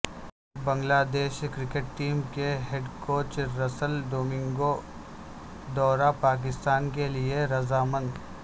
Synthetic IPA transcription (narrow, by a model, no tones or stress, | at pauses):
bɐ̃ŋɡlaːd̪eːʃkɾɪkeʈʈiːmkeɦeɖkoːt͡ʃɾɐsəlɖoːmɪ̃ŋɡo | d̪ɔːɾapaːk̬ɪst̪aːnkelieɾɐzaːmə̃nd̪